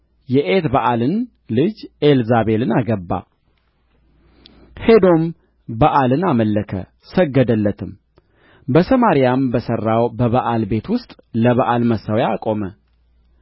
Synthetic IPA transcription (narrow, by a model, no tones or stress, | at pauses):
jɛʔet̪baʔalɨn | lɨd͡ʒelzaβe̞lɨnaɡəbːa̰ | he̞d̪o̞m | baʔalɨnaməlːəkʰə̰ | səɡːəd̪əlːət̪ʰɨm | bəsəmaɾijambəsərːawbəβaʔalbe̞t̪wʊst̪ʼ | ləβaʔalməsawjaːkʼo̞mə